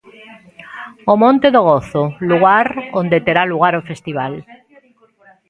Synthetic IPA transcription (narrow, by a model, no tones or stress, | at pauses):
omõnt̪eðoɣ̞oθoluɣaɾond̪et̪eɾaluɣ̞aɾofest̪iβ̞al